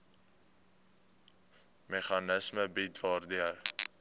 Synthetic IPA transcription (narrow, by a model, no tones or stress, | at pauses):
meχɑnəsməbitvɑːrdiər